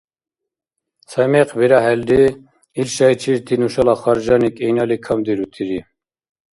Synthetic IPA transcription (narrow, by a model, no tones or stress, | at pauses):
sʰɛmɛqʰbiɾaɦɛld̪i | ilʃajt͡ʃʰiɾt̪ʰinuʃalaχɑɾd͡ʒɑnikʼɛjnalikʰamd̪iɾut̪ʰiɾi